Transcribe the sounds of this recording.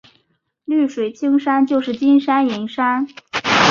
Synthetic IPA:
ly˥˩ʂwe˨˩ɪt͡ɕʰi˥ŋʂa˥nt͡ɕjo˥˧ʊʂɻ̩˥˩t͡ɕi˥nʂa˥ni˧˥ŋʂa˥n

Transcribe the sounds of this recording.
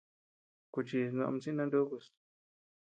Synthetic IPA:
ku˧t͡ʃi˧nã̰˧t͡sĩ˦nã˧nd̪u˦ku˧s

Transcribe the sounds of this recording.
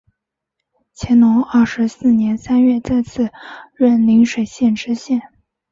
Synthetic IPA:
t͡ɕʰjɛ˧˥nnʊ˧˥ŋɐ˥˩ʂɻ̩˧˥sɹ̩˥˩njɛ˧˥nsa˥nɥɛ˥˧t͡sa˥˧ɪt͡sʰɹ̩˥˩ɻə˥˩nli˧˥ŋʂwe˨˩ɪɕjɛ˥˩nʈ͡ʂɻ̩˧˥ɕjɛ˥˩n

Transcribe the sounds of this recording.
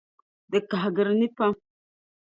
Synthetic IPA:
də˨ka˨ɦɡə˨ɾni˦pa˦

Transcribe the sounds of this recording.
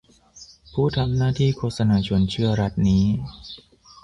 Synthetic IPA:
pʰuː˥˩t̪ʰa˧mnaː˥˩t̪ʰiː˥˩kʰoː˧˥t̪̚sa˧naː˧t͡ɕʰo˧˩ənt͡ɕʰɯ˥˩ɐɾa˦˥t̪̚niː˦˥

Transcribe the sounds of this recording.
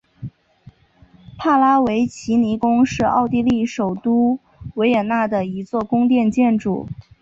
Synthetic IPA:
pʰa˥˩la˥we˧˥ɪt͡ɕʰi˧˥ni˧˥kʊ˥ŋʂɻ̩˥˧ɑ̰˥˧ʊt̪̬i˥˧li˥˩ʂo˨˩ʊt̪u˥ | we˧˥ɪjɛ˨˩nna˥˩d̪ə˩i˧˥t͡swɔ˥˩kʊ˥ŋt̪jɛ˥˧nt͡ɕjɛ˥˧nʈ͡ʂṵ˨˩˦

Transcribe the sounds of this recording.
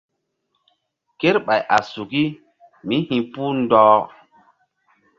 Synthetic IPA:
ke˦ɾɓa˨jʔa̰˨su˨ki˦ | mi˦hĩ˨puː˦ndɔː˦

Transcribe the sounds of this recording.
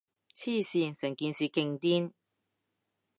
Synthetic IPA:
t͡sʰiː˥˩siː˧nsɐ˨˩ŋkiː˧nsiː˨kɪ˧ŋt̪iː˥n

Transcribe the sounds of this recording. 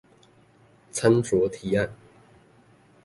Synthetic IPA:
t͡sʰa˥nt͡swɔ˨˥˦t̪ʰi˨˥a˥˩n

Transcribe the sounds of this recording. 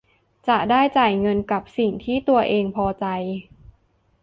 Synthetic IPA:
t͡ɕa˨˩ʔdaː˥˩jt͡ɕaː˨˩jŋɤ˧nka˨˩p̚si˨˩ŋt̪ʰiː˥˩t̪u˧ɐʔeː˧ŋpʰɔː˧t͡ɕa˧j

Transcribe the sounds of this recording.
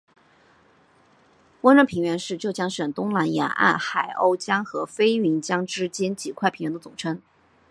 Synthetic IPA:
kwa˥nʈ͡ʂɑ˥˩pʰi˧˥ŋɥɛ˧˥nʂɻ̩˥˩t͡ɕjo˥˩ʊjɑ˥ŋʂə˨˩ŋt̪ʊ˥ŋla˧˥njɑ̰˧˥nʔa̰˥˩nxa˨˩ɪʔo̰˥˧ʊt͡ɕjɑ˥ŋxɤ˧˥fe˥ɪɥi˧˥nt͡ɕjɑ˥ŋʈ͡ʂɻ̩˥t͡ɕjɛ˥nt͡ɕi˨˩kʰwa˥˩pʰi˧˥ŋɥɛ˧˥nd̪ə˧t͡sʊ˨˩ŋʈ͡ʂʰə˥ŋ

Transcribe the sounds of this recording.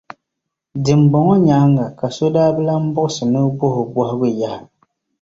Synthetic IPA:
dɨ˨m˨bɔ˨ŋɔ˦ɲa˨˦ŋɡa˨ka˨so˦daː˦bɨ˦la˦m̩˦bʊ˦ʔʊ˦sɨ˨nɨ˦bʊ˦hʊ˨bwɔ˦hʊ˦ɡɨ˦ja˦hɪ˨

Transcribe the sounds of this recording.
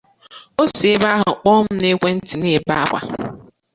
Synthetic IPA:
o˦se˦ba˦ɦʊ˨k͡pɔ˦m̩˦ne˦kʷe˦n̩˦ti˨ne˦˨ba˦kʷa̰˨

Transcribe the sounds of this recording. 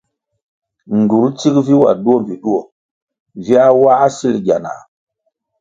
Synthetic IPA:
n˨du˨˦lt͡ʃi˦kvi˦wa̰˨du˦o˦˨m˨vi˨ɗu˦o˨ | vi˦a˦wa˦si˦lɟa˨na̰˨

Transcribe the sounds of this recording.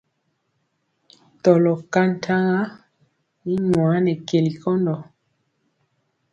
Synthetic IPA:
tɔ˨lɔ˨ka˦n˦˨tʰa˦ŋa˦ | i˦ɲwaː˨˦nɛ˨ke˨li˨kɔ˦ndɔ˨

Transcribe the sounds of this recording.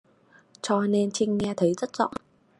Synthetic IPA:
t͡ɕɔ˧ne˧nt͡ɕï˧ŋ̟ŋɛ˧t̪ʰə˨˦jzə˦˥t̚z̥ɔ̰˧˨ŋ͡m

